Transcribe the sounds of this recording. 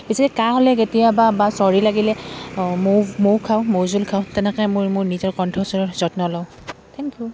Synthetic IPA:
bisikɛkaɦɔlɛketijababasɔɹilaɡilɛmomowkʰawmowzulkʰaʊ̃tɛnɛkɛmʊɹmʊɹnizɔɹkɔntʰɔsɔɹɔɹz̥ɔtnɔlɔ̃ | tʰɛŋkju

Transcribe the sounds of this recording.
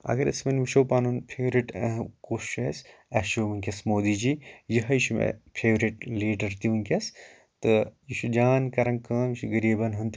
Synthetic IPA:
ɐ̰ɡɐɾɐsmɐnʲʋiʃoːpaːnunpʰeːʋɾiʈɐɦkoːʃʃɐsɐʃuːʋɐŋkʲɐsmoːd̪id͡ʒijiɦɐjiʃumḛpʰeːʋɾiʈliːɖɐɾt̪iʋɐnkʲɐs | t̪ɨjiʃud͡ʒaːnkɐɾɐnkaːmiʃuɡɐɾiːbɐnɦunt̪

